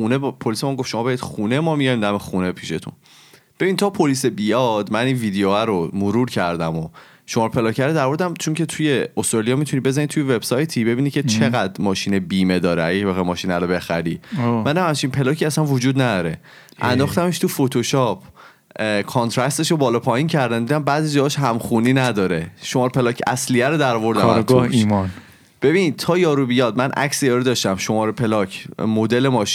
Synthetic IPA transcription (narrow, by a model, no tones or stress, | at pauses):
unepʰolisemæŋɡo̞fʃomɒːbeɾid̪xuːneemɒːmijɒjmd̪æmexune̞pʰiʃe̞t̪ʰṵn | b̥e̞bint̪ʰɒːpʰolisebijɒd̪̥mæninviːd̪eoæɾomoɾuːɾcʰæɾd̪æmo | ʃomɒːɾopʰe̞lɒːcʰæɾd̪ed̪æɾmoɾed̪æmt͡ʃʰoŋce̞t̪ʰujeost̪ɾɒlijɒːmit̪ʰunibe̞zænid̪t̪ʰujeve̞b̥sɒjt̪ʰibe̞binicʰet͡ʃʰe̞ɣæd̪mɒːʃiːnebiːmed̪ɒːɾeæjecvɒɣejmɒːʃinæɾobe̞xæ̰ɾiːmænːæmæmt͡ʃʰimpʰe̞lɒːcʰiæsænvod͡ʒuːd̪næd̪ɒːɾe | ʔæ̰nd̪ɒːxt̪æmeʃt̪ʰufot̪ʰoʃɒpʰ | kʰont̪ʰɾæst̪eʃobɒːlɒːpʰɒːjincʰæɾd̪ænd̪iːd̪æmbæːziːd͡ʒɒːhɒʃɦæmxuniːnæd̪ɒːɾeʃomɒːɾepʰe̞lɒːcʰæ̰slijæɾod̪æɾɔvo̞ɾd̪æ̰ɡ̪oimɒn | b̥e̞binit̪ʰɒːjɒːɾubijɒːd̪̚mænʔæ̰csijɒːɾud̪ɒːʃt̪æmʃo̞mɒːɾepʰe̞lɒcʰmod̪e̞lemɒːʃi